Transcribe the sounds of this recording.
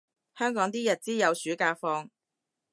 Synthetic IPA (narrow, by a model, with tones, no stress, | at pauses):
hœː˥ŋkɔː˨˥ŋt̪iː˥jɐ˨t̚t͡siː˥jɐ˨˧wsyː˨˥kaː˧fɔː˧ŋ